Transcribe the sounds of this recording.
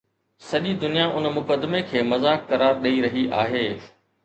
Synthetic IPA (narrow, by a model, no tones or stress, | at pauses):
sɐʄid̪ʊnijaʔʊnmʊkəd̪mekʰeːmɐzaːkːɐɾaːɾɗɐiɾɐɦiʔa̰ːɦeː